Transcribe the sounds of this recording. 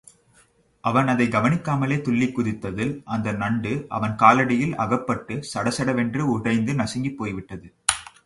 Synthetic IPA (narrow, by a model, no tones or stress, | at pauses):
ʔɐʋɐnɐðɐɪɡɐʋɐnɪkːaːmɐleːt̪ʊɭːɪkːʊðɪt̪ːɐðɪlʔɐnd̪ɐnɐɳɖɯʔɐ̰ʋɐnkaːlɐɽɪjɪlɐ̰ɣɐpːɐʈːɯsɐɽɐsɐɽɐʋɛndrɯʊɽɐɪnd̪ɯnɐsɪŋɡipːoːjʋɪʈːɐðɯ